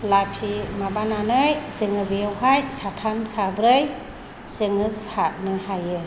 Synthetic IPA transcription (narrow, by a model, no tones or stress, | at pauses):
lajpʰimabananɯjzɯŋɯbijɯwhajsatʰamsabɾɯj | zɯŋɯsat̚nɯhajɯ